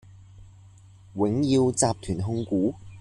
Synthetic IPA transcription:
wɪ˨˥ŋji˧wt͡saː˧p̚t̪ʰyː˨˩nɦʊ˧ŋkuː˨˥

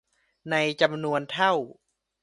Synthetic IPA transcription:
na˧jt͡ɕa˧mnu˧ənt̪ʰa˥˩w

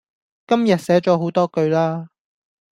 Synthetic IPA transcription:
kɐ˥mjɐ˨t̚sɛː˨˥t͡ʃɔː˨˥ɦo˨˥wt̪ɔː˥kɵ˧ɥlaː˥

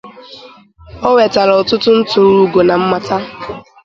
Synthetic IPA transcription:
o˦ŋʷe˨ta˨ɾɔ˨ʊ˨tʊ˦tʊ˦n̩˦tʊ˨ɾu˦u˦ɡo˨na˨m̩˦ma˦ta˦

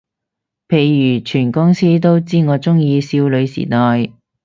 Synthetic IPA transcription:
pʰe˨˧jːyː˨˩t͡ʃʰyː˨˩nkʊ˥ŋsiː˥t̪̬o˥wt͡siː˥ŋɔː˨˧t͡sʊ˥ŋjiː˧siː˧wlɵ˨˧ɥsḭː˨˩t̪ɔː˨j

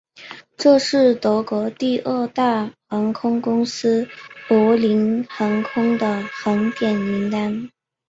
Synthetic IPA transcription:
ʈ͡ʂɤ˥˧ʂɻ̩˥˩t̪ɤ˧˥kwɔ˧˥t̪i˥˧ʔə˥˧t̪a˥˩xɑ˧˥ŋkʰʊ˥ŋkʊ˥ŋsɹ̩˥pwɔ˧˥li˧˥nxɑ˧˥ŋkʰʊ˥ŋd̪ə˨xə˧˥nt̪jɛ˨˩ni˧˥ŋt̪a˥n

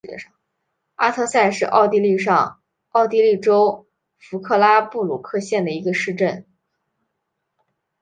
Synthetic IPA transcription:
ɛ̰˧˥˩ʂɑ˥˩ŋ | a˥t̪ʰɤ˥˧sa˥˧nʂɻ̩˥˧ʔɑ̰˥˧ʊt̪i˥˧li˥˧ʂɑ̰˥˧ŋ | ɑ˥˩ʊt̪i˥˧li˥˩ʈ͡ʂo˥ʊ | fu˧˥kʰɤ˥˧la˥pu˥˩lu˨˩kʰɤ˥˧ɕjɛ˥˩nd̪ə˩i˧˥ɡə˧ʂɻ̩˥˧ʈ͡ʂə˥˩n

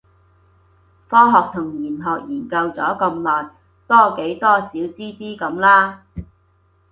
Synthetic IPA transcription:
fɔː˥ɦɔː˨k̚t̪ʰʊ˨˩ŋjiː˨˩nɦɔː˨k̚jiː˨˩nkɐ˧wt͡sɔː˨˥kɐ˧mlɔː˨j | t̪ɔː˥ke˨˥jt̪ɔː˥siː˨˥wt͡siː˥t̪iː˥kɐ˨˥mlaː˥

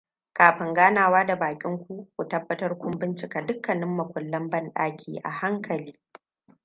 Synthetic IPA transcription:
kaː˨ɸɪ˦ŋɡaː˦naː˨waː˦da˨baː˨kʲʼɪ˦ŋkʷu˦kʷu˨tɐ˦bːɐ˦tɐ˦rkʷʊ˦mbɪ˦nt͡ʃɪ˨kaː˨dʊ˦kːɐ˨nɪ˦mːɐ˨kʷʊ˨lːɐ˦mbɐ˦nɗaː˦kʲʰḭː˨ʔa̰˨ha˦ŋkʰɐ˨liː˦

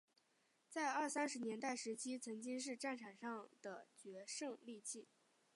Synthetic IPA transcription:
t͡sa˥˧ɪə˞˥˩sa˥nʂɻ̩˧˥njɛ˧˥nt̪a˥˩ɪʂɻ̩˧˥t͡ɕʰi˥t͡sʰɤ˧˥ŋt͡ɕi˥ŋʂ̬ɻ̩˥˧ʈ͡ʂa˥˩nʈ͡ʂʰa˨˩nʂɑ˥˩ŋd̪̥ə˩t͡ɕɥɛ˧˥ʂɤ˥˧ŋli˥˧t͡ɕʰi˥˩

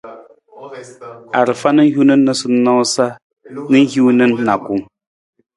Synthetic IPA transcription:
a˨ɾɨ˨fa˦nə˦ŋ˦ju˦nə˦nːə˦sɨ˦nɔ˦sa˦ | nə˦ŋ̩˦hju˦nə˦nːa˨ku˨ŋ

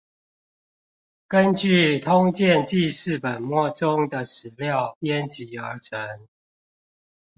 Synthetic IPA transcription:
kə˦nt͡ɕy˥˨t̪ʰʊ˦ŋt͡ɕjɛ˥˨nt͡ɕi˥˧ʂɻ̩˥˨pə˨˩nmwɔ˥˩ʈ͡ʂʊ˦ŋd̪ə˨ʂɻ̩˨˩˦ljɑ˥˨ʊpjɛ˦nt͡ɕi˨˩ə˞˨˧˥ʈ͡ʂʰə˨˦n

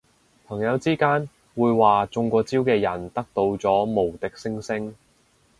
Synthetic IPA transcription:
pʰɐ˨˩ŋjɐ˨˧wt͡siː˥kaː˥n | wuː˨˧jwaː˨t͡sʊ˧ŋkʷɔː˧t͡siː˥wkɛː˧jɐ˨˩nt̪ɐ˥k̚t̪o˧wt͡sɔː˨˥mo˨˩wt̪ɪ˨k̚sɪ˥ŋsɪ˥ŋ

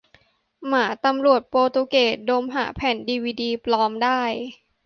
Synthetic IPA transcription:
maː˩˦t̪a˧mɾu˨˩ət̪̚poː˧t̪uː˧keː˨˩doː˧mɦa̰ː˩˦pʰɛː˨˩˦ndiː˧wiː˧diː˧plɔː˧˥mdaː˥˩j

